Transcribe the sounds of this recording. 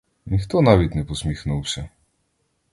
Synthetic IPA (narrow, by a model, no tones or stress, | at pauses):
nʲixt̪ɔnavʲɛt̪ʲnɛpɔsmʲixnɔwɕʲɛ